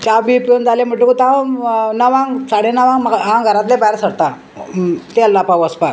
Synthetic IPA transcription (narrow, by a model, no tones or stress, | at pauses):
t͡ɕabipond͡zalem̤əʈːukut̪anəʋãŋɡsaɽenəʋãŋmɦãŋɡʱəɾat̪lebajɾsəɽt̪a | t̪elːapawəspa